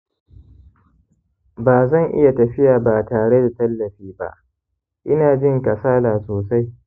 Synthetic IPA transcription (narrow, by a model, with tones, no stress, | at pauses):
baː˨zɐ˦˨ŋʔɪ̰˦ja˨tɐ˨ɸɪ˦jaː˨baː˨taː˨ɽe˦da˨tɐ˦lːɐ˨ɸiː˦ba̰˦ʔ | ʔɪ˦naː˨d͡ʒɪ˦˨ŋkɐ˨saː˦laː˨soː˨sa˦j